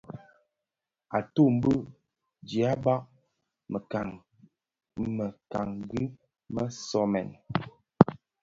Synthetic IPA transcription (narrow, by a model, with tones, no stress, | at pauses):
a˨to˦˨m̩˦bə˦ | d͡ʒi˨a˦ba˦k̚ | mə˨ka˨ŋɡi˦ | mə˦sɔ˦mɛ̰˨n